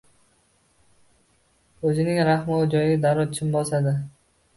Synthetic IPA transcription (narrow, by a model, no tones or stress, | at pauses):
ɵzɪnɪŋɾaχmɪʊd͡ʒɒjd̪aɾɒt͡ʃʰɪmbɒsad̪ɪ